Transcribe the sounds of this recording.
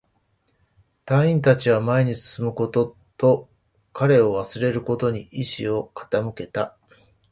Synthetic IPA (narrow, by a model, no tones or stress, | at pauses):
t̪ãɰ̃ĩnt̪at͡ɕiβ̞amae̞ɲ̟isɨ̥sɨmɯ̟ko̞t̪o̞ | t̪o̞ | kaɾe̞o̞βasɨɾe̞ɾɯ̟ko̞t̪o̞ɲ̟iʔiɕḭo̞kʰḁt̪amɯ̟ke̞t̪a